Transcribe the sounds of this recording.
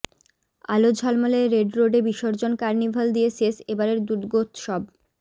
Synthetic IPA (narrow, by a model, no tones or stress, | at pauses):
a̰lod͡ʑʱɔlmaleɾeɖɾoɖebiʃoɾd͡ʑonkaɾnibʱald̪iesesebaɾeɾd̪ud̪ɡot̪ʃɔb̚